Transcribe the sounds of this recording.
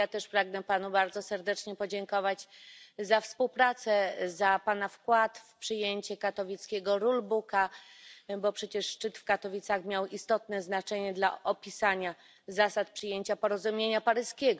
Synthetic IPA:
jat̪ɛʂpɾaɡnɛpanubaɾd̪zɔsɛɾd̪ɛt͡ʂɲɛpɔd͡ʑeŋkɔvad͡ʑzafspuwpɾat̪sɛzapanafkwat̪fpʂɘjeɲt͡ɕɛkat̪ɔvʲit̪skʲeɡɔɾulbuka | bɔpʂɛt͡ɕɛʂʂt͡ʂɘt̪fkat̪ɔvʲit̪saxmʲjawist̪ɔt̪nɛznat͡ʂɛɲɛd̪la̰ʔɔpʲisaɲa | zasat̪̚pʂɨjeɲt͡ɕapɔɾɔzumʲjeɲapaɾɘskʲɛɡɔ

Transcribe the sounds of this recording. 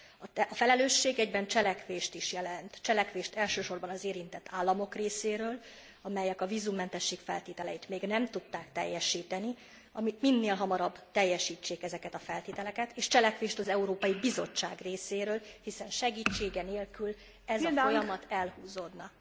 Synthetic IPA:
ɒfɛlɛløːʃːeːɡɛɟbɛnt͡ʃɛlɛkʋeːʃt̪iʃjɛlɛnt̪t͡ʃɛlɛkʋeːʃt̪ɛlʃøːʃo̞rbɒnɒzeːɾint̪ɛt̪ːaːlːɒmo̞kreːseːɾøːl | ɒmɛjɛkɒvizumːɛnt̪ɛʃːeːkfɛ̰lt̪eːt̪ɛlɛit̪meːɡnɛmt̪ut̪ːaːkt̪ɛ̰jːɛʃiːt̪ɛni | ɒmit̪minːeːlɦɒmɒɾɒbt̪ɛjːɛʃiːt͡ʃːeːkɛzɛkɛt̪ɒfɛlt̪eːt̪ɛlɛkɛt̪eːʃt͡ʃɛlɛkʋeːʃt̪ɒzɛuɾoːpɒjibizo̞̰t͡ʃːa̰ːɡreːseːɾøːlhisɛnʃɛɡiːt͡ʃːeːɡɛneːlkyl | ɛzɒffojɒmɒt̪ʰɛlhuːzoːd̪nɒ

